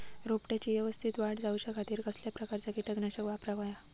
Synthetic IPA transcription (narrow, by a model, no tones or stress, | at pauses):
ɾopʈat͡ɕiːʋɛʋəst̪ʰit̪ʋaɽd͡zauɕakʰat̪iːɾkəsljapɾəkaɾt͡ɕakiʈəɡnaɕəkʋapɾaʋaja